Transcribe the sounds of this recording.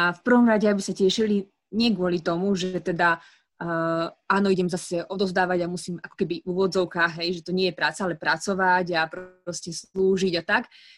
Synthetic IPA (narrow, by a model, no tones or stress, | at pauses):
afpr̩ʋɔmɾaɟɛabisacɛʃili | ɲɪɛɡʊɔlit̪ɔmuʒɛt̪ɛd̪a | aːnɔiɟɛmzasɛʔɔd̪ɔzd̪aːʋaɟamusiːmakɔ̥kɛbiʔuːʋɔd͡zɔʊkaːɣɦɛjʒɛt̪ɔɲɪɛjɛpɾaːt͡saalɛpɾat͡sɔʋaɟapɾɔscɛsluːʒiɟat̪ak